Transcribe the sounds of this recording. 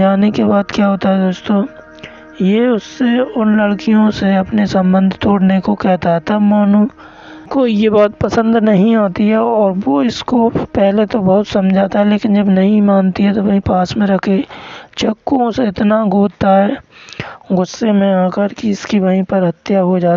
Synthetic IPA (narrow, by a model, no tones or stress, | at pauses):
aːnekebaːd̪kjaɦoːt̪aɦɛd̪oːst̪õ | jeʊsːeʊnlɐɽkijõseɐpnesɐ̃mbə̃nd̪ʱt̪oːɽnekokɛɦt̪aɦɛt̪ɐɦbmaːnu | koijebɔːt̪pɐsə̃nd̪nɐɦĩaːt̪iɦɛɔːɾʋoɪskopɛɦlet̪obɐɦʊt̪sɐ̃md͡ʒʱaːt̪aɦɛleːkɪnd͡ʒɐbnɐɦĩmaːnt̪iɦɛt̪oʋɐɦĩpaːsmẽɾɐkʰet͡ʃɐkːõseɪt̪naɡoːt̪aɦɛː | ɡʊsːemẽaːkəɾkiɪskiʋɐɦĩpɐɾɦɐt̪jaɦod͡ʒaː